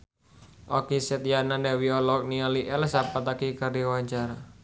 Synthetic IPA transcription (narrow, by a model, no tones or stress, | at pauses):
ʔɔkisɛt̪̚jananɛwiɔlɔk̚nialiʔɛlsapat̪akikardiwaɲt͡ʃaɾa